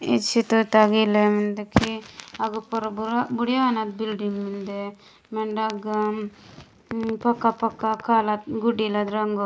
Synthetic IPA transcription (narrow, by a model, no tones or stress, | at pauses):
it͡ʃʰit̪ɔt̪aɡilemind̪ekʰiɐɡupɔɾbuɾabuɽjaanat̪̚bilɖiŋmind̪e | meɳɖaɡ | pɐkːapɐkːakʰaːlat̪̚ɡuɖilad̪ɾɐŋɡo